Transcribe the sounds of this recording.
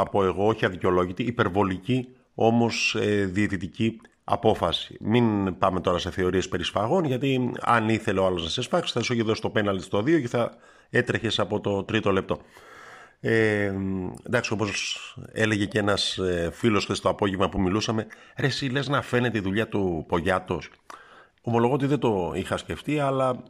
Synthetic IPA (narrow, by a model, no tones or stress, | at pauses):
ɐpo̞e̞ɣo̞oçiɐðiceo̞lo̞ʝit̪iːpe̞ɾvo̞lici | o̞mo̞seðiet̪it̪ici | ɐ̰po̞fɐsi̥minpɐme̞t̪o̞ɾɐse̞θe̞o̞ɾie̞spe̞ɾisfɐɣo̞nʝɐt̪iɐ̰niθeleoɐlo̞znɐsesfɐksi̥θɐsoçiðosi̥st̪o̞penɐlt̪ist̪o̞ðio̞ce̞θɐ | e̞t̪ɾeçe̞sɐpo̞t̪o̞t̪ɾit̪o̞le̞p̚t̪o̞ | e | nd̪ɐksio̞po̞se̞le̞ʝe̞ceenɐsfilo̞st̪est̪oɐpo̞ʝevmɐpumilusɐme̞ɾe̞sile̞znɐfe̞ne̞t̪eiðuʎɐt̪upo̞ʝɐt̪o̞s | o̞mo̞lo̞ɣo̞t̪izðed̪o̞ixɐsce̞ft̪iɐlɐ